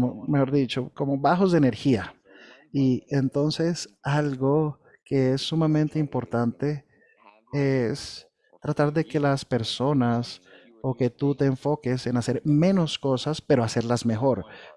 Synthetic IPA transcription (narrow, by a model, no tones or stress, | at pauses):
omexoɾðit͡ʃo̞ko̞mo̞βaxo̞zðeːne̞ɾxia | ient̪o̞nse̞salɡo | ke̞esːumamẽnt̪eimpo̞ɾt̪ant̪e̞ | es | t̪ɾat̪aɾðe̞ke̞laspe̞ɾso̞nas | oke̞t̪ut̪e̞ːɱfo̞ke̞se̞nase̞ɾmẽ̞no̞sko̞saspe̞ɾoase̞ɾlazme̞xo̞ɾ